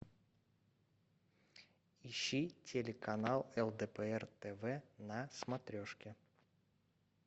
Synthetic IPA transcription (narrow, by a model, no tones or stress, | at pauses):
iɕːitʲelʲɪkʰɐnalˠɛlˠd̪ɛpəɛrt̪ɛvɛnɐsmɐt̪ɾʲoʂkʲɪ